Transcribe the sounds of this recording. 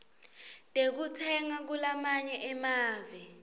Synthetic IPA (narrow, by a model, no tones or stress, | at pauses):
tʼek̬utʰɛŋak̬ulamaɲɛʔɛmaːvɛ